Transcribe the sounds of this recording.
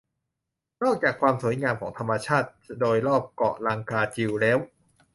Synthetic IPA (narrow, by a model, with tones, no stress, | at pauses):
nɔː˥˩k̚t͡ɕaː˨˩kʰwaː˧msu˨˩˦jŋaː˧mkʰɔː˩˦ŋt̪ʰa˧mːa˧t͡ɕʰaː˥˩t̪̚doː˧jɾɔː˥˩p̚kɔ̰˨˩ʔlaː˧ŋkaː˧t͡ɕi˧wlɛː˦˥w